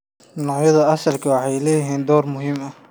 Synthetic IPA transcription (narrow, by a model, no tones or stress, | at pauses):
nɔːʕjɐðɐɐsɐlkʰɐwɑħɑjlɛːjɪɦiːnd̪ɔːrmʊɦiːmɐ